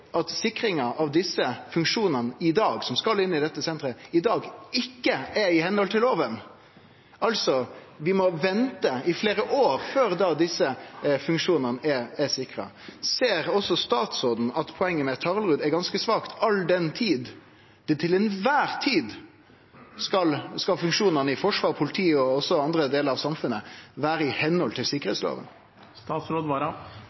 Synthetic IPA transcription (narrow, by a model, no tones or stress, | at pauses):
ʔɑt̪sɪkɾɪŋɑʔɑʋd̪ɪsːəfʉŋkʂuːnənəɪd̪ɑːɡsɔmskɑlɪnːɪd̪ɛt̪ːəsɛnt̪ɾəɪd̪ɑːɡɪkːəæɪhɛnɔlt̪ʰɪloːʋən | ɑlsɔ | ʋɪmɔʋɛnt̪əɪfleːɾəʔoːɾføːɾd̪ɑd̪ɪsəfʉŋkʂuːnənəʔɛɛsɪkɾɑ̰ | seːɾɔsɔst̪ɑːt̪sɾoːd̪n̩ɑt̪pʰɔɛŋːəmɛt̪ʰɑʁlʁʉːd̪ɛɡɑnskəsʋɑːkt̪ʰɑld̪ɛnt̪ʰiːd̪ | t̪ʰɪlɛnʋæːɾt̪ʰiːd̪ | skɑlskɑlfʉŋkʂuːnənəɪfɔʂʋɑːʁpʰʊlɪt̪ʰiːəɔɔsːɔɑnd̪ɾəd̪eːləɾɑʋsɑmfʉnːəʋæːɾəɪhɛnːhɔlt̪ʰɪlsɪkːəɾeːt̪slo̰ːʋə̰n | st̪ɑːt̪sɾoːd̪ʋɑːɾɑ